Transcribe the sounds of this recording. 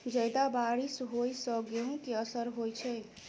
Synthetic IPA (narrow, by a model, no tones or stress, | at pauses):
d͡ʒəjd̪abaɾisɦojsəɡeɦũkeəsəɾɦojt͡ʃʰɛ